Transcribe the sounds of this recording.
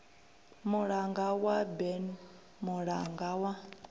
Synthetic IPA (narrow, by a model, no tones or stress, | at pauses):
muɺaŋɡawabɛn | muɺaŋɡawa